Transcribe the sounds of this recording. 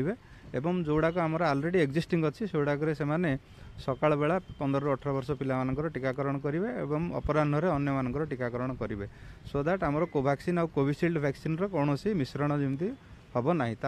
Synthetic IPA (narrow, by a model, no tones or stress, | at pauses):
ibe | ebɔŋd͡ʒouɽak̬uamɔɾɔalɾeɽieɡd͡ʒisʈiŋɡɔt͡ʃʰiseuɽak̬ɔɾesemane | sɔkaɭɔbeɭapɔnd̪ɾɔɾɔʈʰɔɾɔbɔɾsɔpilamanɔ̃ŋkɔɾɔʈikakɔɾɔɽ̃ɔkɔɾibeḛbɔŋɔ̰pɔɾanɖʱɔɾeɔnjɔmanɔŋkɔɾɔʈikakɔɾɔɽ̃ɔkɔɾibesod̪ʱaʈamɔɾɔkobʱaksinawkobʱisilɖbʱɛksinɾɔkɔwɽ̃ɔsimisɾɔɽ̃ɔd͡ʒimt̪ihɔbɔnaɦĩt̪a